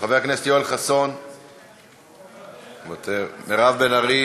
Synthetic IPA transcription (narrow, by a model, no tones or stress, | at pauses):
χaveakneset̪joelχaso̞n | vat̪eʁmeʁavbe̞naʁi